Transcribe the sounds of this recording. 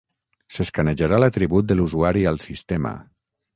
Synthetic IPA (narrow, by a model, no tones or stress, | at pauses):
seskanəʒaɾalat̪ɾiβut̪̚d̪əluzuaɾialˠsist̪emə̰